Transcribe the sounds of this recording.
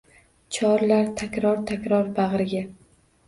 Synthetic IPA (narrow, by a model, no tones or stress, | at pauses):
t͡ʃʰɒɾlaɾt̪ʰakʲɾɒɾt̪ʰakʲɾɒɾbaʁɾɪɡʲa